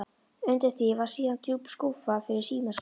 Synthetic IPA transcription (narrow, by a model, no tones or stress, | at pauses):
ʏnt̪ɪθɪvḁsiːðant̪ʰjuːpskuːfafɪɾɪɾ̥siːmas